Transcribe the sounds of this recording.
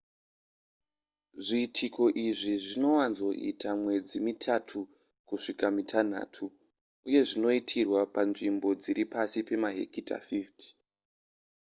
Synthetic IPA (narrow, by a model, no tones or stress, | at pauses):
ʐiːtʰiko̞ʔiʐiʐino̞wanzo̞ʔḭtʰamwe̞d͡zimitʰatʰu | kuʂikamitʰan̤a̰ːtʰu | uje̞ʐino̞itʰirwapanʐimbo̞d͡ziɾipasipe̞maɦḛkita̰fifti̥